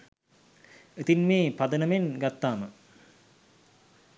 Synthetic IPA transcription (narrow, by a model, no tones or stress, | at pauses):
et̪inmeːpad̪ənəmenɡat̪ːaːmə